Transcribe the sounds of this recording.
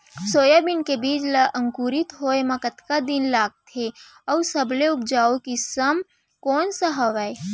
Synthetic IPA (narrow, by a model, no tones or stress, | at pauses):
soːjabɪnkebiːd͡ʒləʔə̃ŋkuːɾɪt̪ɦoːemɐkət̪kad̪ɪnlaːɡ̚t̪ʰe | ɔsɐbleʊp̚d͡ʒaːokisəm | kɔːnsaɦɐʋaːe